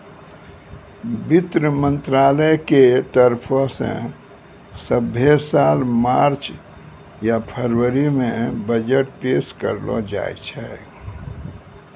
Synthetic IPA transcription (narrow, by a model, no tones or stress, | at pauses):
bit̪ɾəmə̃nt̪ɾaləjket̪əɾpʰɔsḛ̃ | səbʱjesalmaɾt͡ʃ | japʰəɾwəɾimẽbəd͡ʒəʈ̚peskə̰ɾlɔ̰d͡ʒa̰j̰t͡ʃʰɛ